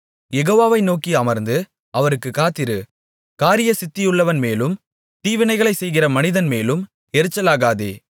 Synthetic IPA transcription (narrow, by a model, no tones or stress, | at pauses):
jɛɣoːʋaːʋɐɪnoːkiɐmɐɾnd̪ɯ | ɐʋɐɾɯkːɯkaːt̪ːɪɾɯ | kaːɾɪjɐsɪt̪ːɪjɯɭːɐʋɐnmeːlɯm | t̪iːʋɪnɐɪɣɐɭɐɪsɛjɣɪrɐmɐnɪðɐnmeːlɯm | ɛɾɯt͡ʃːɐlaːɣaːðeː